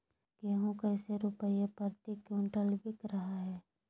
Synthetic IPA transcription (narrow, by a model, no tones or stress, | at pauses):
keɦũkəːseɾʊpəjepəɾt̪ikũɳʈəlbɪkɾɐɦaɦɛː